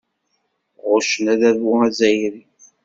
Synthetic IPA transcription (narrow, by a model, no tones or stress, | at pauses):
ʁʊʃənæðæðwʊæzæjɾi